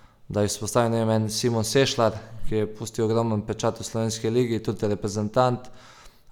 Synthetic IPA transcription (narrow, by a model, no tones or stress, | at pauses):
d̪ajispɔst̪aːʋinemɛnsimɔnseːʃlaɾkijɛpuːst̪iwɔɡɾɔmənpɛt͡ʃat̪uslɔʋeːnskiliːɡit̪ut̪iɾɛpɾɛzɛnt̪ant̪